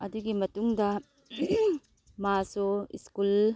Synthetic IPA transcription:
ɐduɡimɐtuŋdɐ | masoḭskul

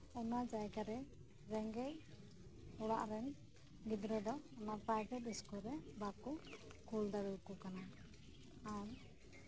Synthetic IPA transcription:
ɔnad͡ʒajɡaɾɛ | ɾɛŋɡɛj | ɔɽaʔɾɛn | ɡid̪ɾɔd̪ɔɔnapajʈɛt̪iskɔɾɛbakukʰuld̪aɾɛlkukanaː | ɾ

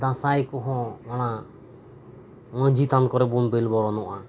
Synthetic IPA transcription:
d̪ãsajkɔɦɔ̃maña | məɲd͡ʒit̪ankɔɾɛbunbɛlbɔɾɔnɔʔa

